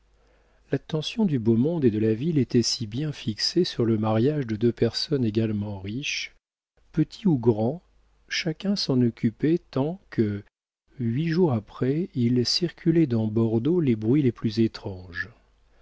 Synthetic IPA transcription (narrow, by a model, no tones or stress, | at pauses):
lat̪ːɑ̃sjɔ̃d̪ybomɔ̃d̪ed̪əlavilet̪ɛsibjɛ̃fiksesyʁləmaʁjaʒd̪əd̪øpɛʁsɔneɡalmɑ̃ʁiʃ | pət̪ʰi̥uɡʁɑ̃ | ʃakʲɛ̃sɑ̃nɔkʲypɛt̪ɑ̃kʰə | ɥiʒuʁapχɛilsiʁkʲʰylɛd̪ɑ̃bɔʁd̪olebʁɥileplyzet̪χɑ̃ʒ